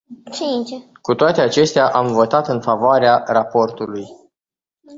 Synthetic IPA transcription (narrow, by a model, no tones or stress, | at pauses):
kut̪oat̪e̞at͡ʃe̞st̪eaʔamvo̞t̪at̪ɨnfavoaɾearapo̞rt̪uluj